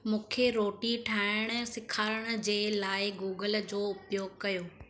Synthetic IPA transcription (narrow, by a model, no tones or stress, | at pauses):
mũːkʰeɾoːʈiʈʰaːɪɽ̃sɪkʰaːɾəɽ̃d͡ʑeːlaːɪɡuːɡəld͡ʑoːʊpjoːɡ̚kɐjoː